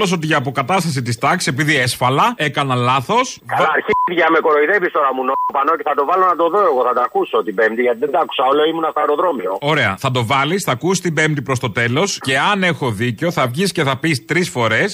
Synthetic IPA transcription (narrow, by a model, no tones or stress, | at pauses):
lo̞s̬o̞t̪̬iʝɐːpo̞kɐt̪ɐst̪ɐsit̪ist̪ɐkse̞piðiesfɐlɐe̞kɐnɐlɐθo̞sɐɾçiðʝɐme̞ko̞ɾo̞iðe̞vist̪o̞ɾɐmunopɐnoceθɐt̪o̞vɐlo̞nɐt̪o̞ðo̞eɣoθɐd̪ɐɐkusot̪ibe̞mt̪iʝɐt̪iðed̪ɐɐku̥sɐo̞loimunɐst̪ɐɾoðɾo̞mio̞o̞ɾe̞ɐ̰θɐd̪o̞vɐlisθɐkusist̪ibe̞mt̪ipɾo̞st̪o̞t̪e̞lo̞sce̞ɐne̞xo̞ðiceo̞θɐvʝisce̞θɐpist̪ɾisfo̞ɾe̞s